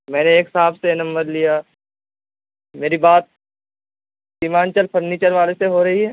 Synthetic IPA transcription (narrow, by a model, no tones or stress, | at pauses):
mɛ̃ːneːksaːbsenɐ̃mbəɾlija | meːɾibaːt̪̚ | simaːnt͡ʃəlpʰɐɾniːt͡ʃəɾʋaːleseɦoɾɐɦiɦɛː